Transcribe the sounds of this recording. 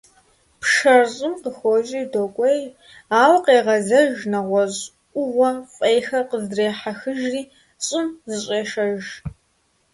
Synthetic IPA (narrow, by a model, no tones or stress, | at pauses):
pʂɐrɕʼɪmqəxʷɔʒʼiːdoːkʷʼej | aːwqeːʁɐzɐʒnɐʁʷɔʑ | ʔʷʊʁʷɔfʼejxɐqəzreːħaxɨʒriː | ɕʼɪmzɨɕʼeːʃɐʒ